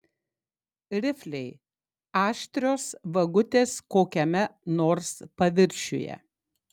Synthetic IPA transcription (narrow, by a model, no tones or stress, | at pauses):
ɾʲɪfʲlʲɛɪ | ɑːʃʲt̪ʲɾʲoːsʋɐɡʊt̪ʲeːskoːkʲɛmʲɛnoːɾspɐʋʲɪɾʲʃʲʊ̰jɛ̰